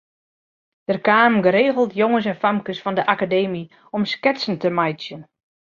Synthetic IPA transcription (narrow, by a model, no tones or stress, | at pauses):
d̥ərkaːmɡəɾeːɣəl̩ˠtjoŋəs̬ɛnfamkəsfɔndəʔakadeːmi | ɔmskɪtsn̩təmajsjən